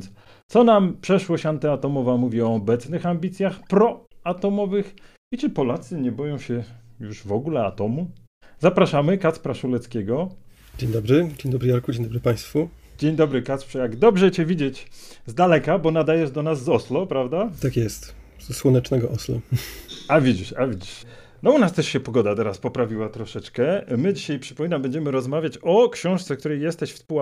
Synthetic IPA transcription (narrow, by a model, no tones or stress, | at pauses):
ns | t̪sɔnampʂɛʂwɔɕant̪ɛat̪ɔmɔvamuvʲiɔːbɛt̪snɘxambʲit̪sʲjaxpɾɔat̪ɔmɔvɘx | it͡ʃɘpɔlat̪sɘɲɛbɔjɔ̃w̃ɕɛjuʐvɔɡulɛa̰t̪ɔmu | zapɾaʂamɘkat̪spɾaʂulɛt̪skʲɛɡɔ | d͡ʑeɲd̪ɔbɾɘd͡ʑeɲd̪ɔbɾɘjaɾkud͡ʑeɲ̃d̪ɔbɾɘpaj̃st̪fu | d͡ʑeɲd̪ɔbɾɘkat̪spʂɛjaɡd̪ɔbʐɛt͡ɕɛvʲid͡ʑet͡ɕzd̪alɛkabɔnad̪ajɛʐd̪ɔnazːɔslɔpɾavd̪at̪akjɛst̪ | zswɔnɛt͡ʂnɛɡɔʔɔslɔ | avʲid͡ʑiʂavʲid͡ʑiʂ | nɔunast̪ɛʂɕɛpɔɡɔd̪at̪ɛɾaspɔpɾavʲiwat̪ɾɔʂɛt͡ʂkɛmɘd͡ʑiɕajpʂɘ̥pɔmʲinambɛɲd͡ʑɛmɘɾɔzmavʲjat͡ɕɔkɕɔ̃w̃ʂt̪sɛk̚t̪uɾɛjɛst̪ɛɕfspu